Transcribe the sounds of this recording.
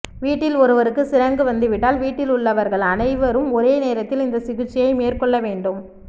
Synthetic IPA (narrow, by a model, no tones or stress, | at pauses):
ʋiːʈːɪlɔɾɯʋɐɾɯkːɯsɪɾɐŋɡɯʋɐnd̪ɯʋɪʈːaːlʋiːʈːɪlʊɭːɐʋɐɾɣɐɭɐnɐɪʋɐɾɯmɔɾeːneːɾɐt̪ːɪlɪnd̪ɐsɪɣɯʈt͡ʃːɪjɐɪmeːrkɔɭːɐʋeːɳɖɯm